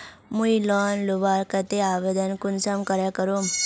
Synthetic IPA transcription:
mujlɔnlubaɾkət̪eaʋed̪ənkunsəmkəɾjakəɾum

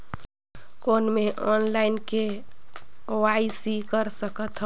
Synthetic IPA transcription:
koːnmeʔɔːnlaɪnke | oaisikəɾsəkət̪ɦ

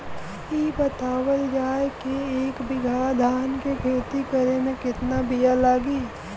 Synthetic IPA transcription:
iːbɐt̪aːwəld͡ʒaːekeːkbɪɡʱaːd̪ʱaːnkekʰeːt̪ikəɾemẽkɪt̪nabijalaːɡiː

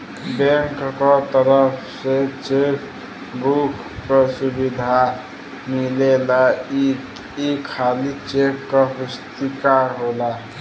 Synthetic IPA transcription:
bẽŋkːɔt̪əɾəpʰset͡ʃek | bukːɔsubid̪ʱa | milela | ikʰːalit͡ʃekkɔɦust̪ikaɦola

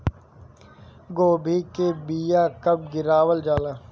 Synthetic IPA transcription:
ɡoːbʱikebiːjaːkɐb̚ɡɪɾaːwəld͡ʒaːlaː

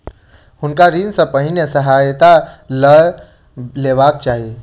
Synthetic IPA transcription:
hʊnkaɾinsə̃pəɦinəsəɦajt̪alə | leʋaːk̚t͡ʃaːɦie

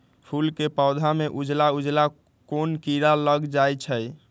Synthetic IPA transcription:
pʰulkepəʊd̪ʱameʔud͡ʒlaud͡ʒla | konkiɾaləɡd͡ʒajt͡ʃʰəj

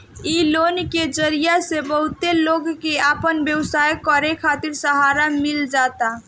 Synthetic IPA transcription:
ilonked͡ʒəɾijasebəɦut̪eloɡkeapənbjəwsajkəɾekʰat̪iɾsəɦaɾamild͡ʒat̪a

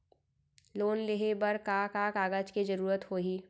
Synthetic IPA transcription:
loːnleɦebəɾkaːkakaːɡət͡ʃked͡ʒəɾuːɾət̪hoːɦiː

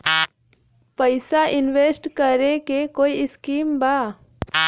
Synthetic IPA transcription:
pəɪsaʔɪnʋeːsʈkəɾekekoːiɪskiːmbaː

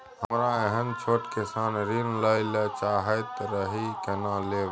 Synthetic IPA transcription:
həmɾaeɦənt͡ʃʰoːʈkesaːnɾinlailet͡ʃaːɦət̪ɾəɦikenaleː

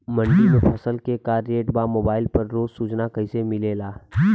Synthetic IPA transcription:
mə̃ɳɖimẽpʰɐsəlkekaːɾeːʈbaːmoːbaːɪlpɐɾːoːzsuːt͡ʃnakɐisemɪlelaː

